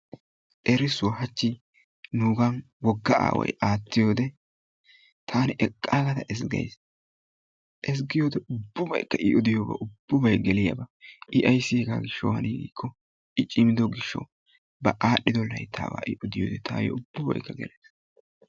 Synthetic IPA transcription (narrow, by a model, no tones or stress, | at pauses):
ʔɛɾɪsʊwɐɦɐt͡ʃːɪ | nuːɡɐn | wɔɡːɐʔa̰ːwɐ̰jaːt̪ːɪjoːd̪ɛ | t̪ʰaːnɛʔɛkʼːaːɡɐt̪ɐʔɛsɡɐ̰js | ʔɛs̬ɡɪjoːd̪ɛʊbːʊbɐ̰jkːɐʔɪʔɔd̪ɪjobɐ̰ʔʊbːʊbɐjɡɛlɪjɐ̰bɐʔɪʔɐjsːɪhɛɡa̰ːɡɪʃːɔ̰whɐniːɡḭːkʰːɔ | ɪt͡ʃʼɪmɪd̪ɔɡɪʃːɔ̰ | bɐʔaːɗːɪd̪ɔlːɐ̰jt̪ʰa̰ːba̰ːʔɪʔɔd̪ɪjo̰ːd̪ɛt̪ʰa̰ːjɔ̰ʊb̥ːʊbɐ̰jkːɐɡɛ̰lʔeːs